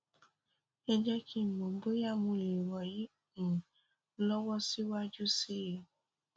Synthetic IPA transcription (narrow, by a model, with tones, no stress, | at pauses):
ɛ˦d͡ʒɛ˦kʰi˦˨mɔ̃˨˦bo˦ja˦˨mũ˧li˨ɾɔ˨jĩ˨˦˨ | lɔ˦wɔ˦si˦wa˦d͡ʒu˦si˦je˨